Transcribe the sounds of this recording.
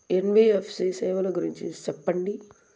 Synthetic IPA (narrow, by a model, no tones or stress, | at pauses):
enbiːefʰsiːseːʋɐlɐɡuɾiɲt͡ʃisepːɐɳɖi